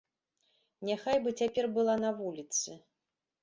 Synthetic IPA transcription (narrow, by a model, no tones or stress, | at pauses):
nʲaxajbɨt͡sʲapʲɛrbɨlˠanɐvulʲit̪sɨ